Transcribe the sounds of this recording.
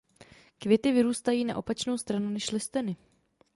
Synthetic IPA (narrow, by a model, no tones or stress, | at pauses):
kvjɛt̪ɪvɪɾuːst̪ajiːnaʔo̞pat͡ʃno̞wst̪ɾanunɛʃlɪst̪ɛnɪ